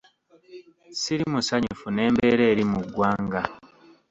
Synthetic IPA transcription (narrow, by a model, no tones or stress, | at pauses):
siɾimusaɲufune̞ːmbe̞ːɾe̞ːɾimuɡːwaːŋɡa